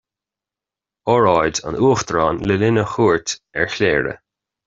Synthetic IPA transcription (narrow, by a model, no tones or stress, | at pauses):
ɔɹɑjdə̰nʔuːxt̪ɹɑːnlɪlɪnəxuːɹtɛ̰ɹçleːɹə̰